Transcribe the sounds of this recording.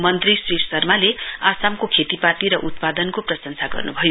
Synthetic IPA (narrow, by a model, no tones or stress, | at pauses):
mʌnt̪risriɾsʌrmaleasamkokʰet̪ipat̪iɾʌʔut̪̚pad̪ʌnkoprʌsʌnsaɡʌ̰rnubʱʌjo